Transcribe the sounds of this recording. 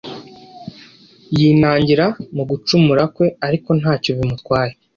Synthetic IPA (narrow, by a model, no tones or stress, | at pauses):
jinaːɲɟiɾamuɡut͡ʃumuɾakwe̞aɾiko̞n̥haːcoβimutkwaːje